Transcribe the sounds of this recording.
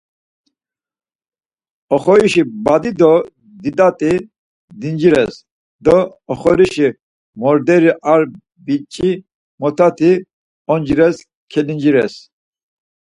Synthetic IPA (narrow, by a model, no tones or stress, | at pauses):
ɔχɔɾiʃibad̪id̪ɔ | d̪id̪ʼat̪ʼi | d̪ind͡ʒiɾɛs | d̪ɔ | ɔχɔɾiʃi | mɔɾd̪ɛɾiʔaɾ | bit͡ʃʼi | mɔt̪ʰat̪ʰi | ɔnd͡ʒiɾɛs | kʰɛlind͡ʒiɾɛ̰s